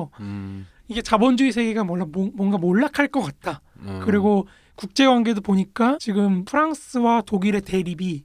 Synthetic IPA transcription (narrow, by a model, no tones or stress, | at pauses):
iɡe̞t͡ɕabʌnd͡ʑuisʰe̞ɡe̞ɡamwʌɭːammwʌnɡamoɭːakʰaɭk͈ʌk͈at̚t͈akɯɾiɡo | kuk̚t͡ɕ͈e̞ɡwaŋɡe̞dopoɲik͈at͡ɕiɡɯmpʰɯɾaŋs͈ʰɯwatoɡiɾe̞te̞ɾibi